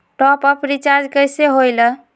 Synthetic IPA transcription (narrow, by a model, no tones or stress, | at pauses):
ʈɔpɔpɾit͡ʃaɾd͡ʒkəjseɦojlə